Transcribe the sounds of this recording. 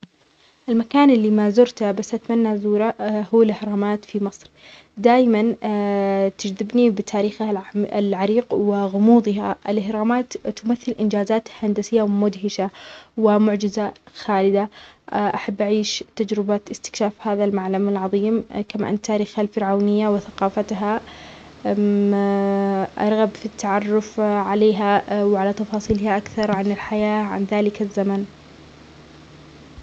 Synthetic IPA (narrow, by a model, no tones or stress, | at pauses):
ʔɪlmakaːnʔɪlːimazʊɾt̪abasːʔat̪manːazuːɾahuːalʔɪhɾˤɑːmaːt̪fimɨsˤɾ | d̪aːjman | t̪ɪd͡ʒðɪbnibɪt̪ʰaːɾiːxalʕaɾiːqwɪɣʊmuːd̪ˤɪɦaʔɪ̰lʔɪhɾˤɑːmaːt̪ːʊmaθːɪlʔɪnd͡ʒaːzaːt̪hand̪asɪjːawmʊd̪ɦɪʃawɪmʊʕd͡ʒɪzaxaːlɪd̪aʔaħabːʔaʕiːʃt̪ad͡ʒɾɪbaɪst̪ɪ̥kʃaːfhaːðalmaʕlamalʕɑðˤiːmkama̰ʔa̰nt̪ːaːɾiːxalfɪɾʕawnɪjːawɪθaqɑːfat̪ɦa | ʔɑ̰ɾˤɣabfit̪ʰːaʕɑrˤːʊfʕaleːɦawʕalat̪ɑfɑːsˤiːlhaʔakθɑɾˤʕanɪlħajaːʕa̰nðaːlɪkazːaman